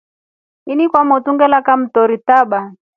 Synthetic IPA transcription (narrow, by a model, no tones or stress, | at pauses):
inikwamɔtuŋɡɛlakam̩tɔɾitaɓa